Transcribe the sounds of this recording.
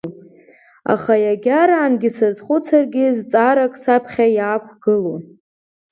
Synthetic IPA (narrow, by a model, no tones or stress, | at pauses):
a̰χajaɡʲaɾaːnɡʲɪsazχʷʊt͡sʰarɡʲɪzt͡sʼaɾakʼsapʰχʲajaːkʷʰɡ̥ɨlo